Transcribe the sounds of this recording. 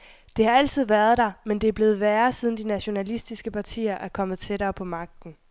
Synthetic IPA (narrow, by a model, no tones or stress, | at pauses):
d̥e̝hɑ̈æl̰t͡sʰið̞̰ˠʋæɐð̞ˠd̥ɑ̈mend̥e̝æɐb̥le̝ːð̩ˠʋæːɐsiðˠn̩d̥inæɕo̝nælisd̥isɡ̥əpʰɑ̈t͡sʰḭːɐʔæɐkʰɒ̽məð̞̩ˠt͡sʰe̝ɾ̥ɐːpʰɒ̽mɑ̈ɡ̥̚d̥n̩